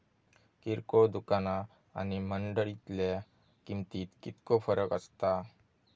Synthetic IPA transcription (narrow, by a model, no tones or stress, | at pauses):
kiɾkod̪ukana | a̰niməɳɖəɭit̪le | kimt̪iːt̪kit̪kofəɾəkəst̪a